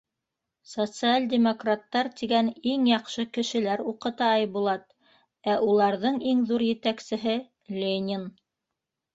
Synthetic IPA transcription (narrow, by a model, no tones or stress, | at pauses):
sot̪sɨalʲd̪ʲemokrat̪ːɑɾt̪iɡæniŋjɑqʃɤkɘ̆ʃɘ̆læɾuqɤ̆t̪ɑɑjbulˠɑt̪ | æʔulˠɑɾðɤɴiŋðuɾjɘ̆t̪æksɘ̆ɦɘ | lʲenʲɪn